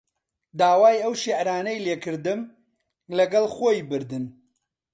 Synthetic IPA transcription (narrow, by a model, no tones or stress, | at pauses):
d̪aːwaːjɐwʃiʕɾaːnɐjleːkɨɾd̪ɨm | lɐɡɐlˠxoːjbɨɾd̪ɨn